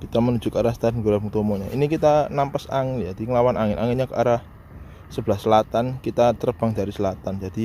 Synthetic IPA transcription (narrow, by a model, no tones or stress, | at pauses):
kit̪amənud͡ʒ̥ʊkaɾahst̪ad̪nɡuɾabuŋt̪omoɲaʔinikit̪anampasaŋɪnd͡ʒad̪̥i̤ŋəlawanʔaŋɪnʔaŋɪnɲakəaɾah | səb̥lahsəlat̪ankit̪at̪ərb̥aŋd̥̪aɾisəlat̪and͡ʒad̥i